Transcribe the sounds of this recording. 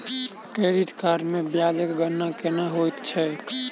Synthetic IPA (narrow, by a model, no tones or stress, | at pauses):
kɾeɖiʈkaɾmebjad͡ʒəkɡənːakenaɦojt̪t͡ʃʰɛ